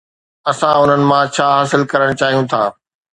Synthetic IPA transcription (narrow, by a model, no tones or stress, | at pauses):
ɐsãʊn̤ənɪ̆mãt͡ɕʰaːɦaːsɪlkɐɾəɽ̃t͡ɕaːɦijũt̪ʰaː